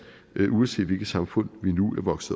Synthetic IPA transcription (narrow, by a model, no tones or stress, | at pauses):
ʔuɒnse̝̰ːd̥ʋe̝lɡ̥̩sɑ̈mfɔ̽n̰ʋinuæɐʋɒ̽ɡ̥səð̩ˠ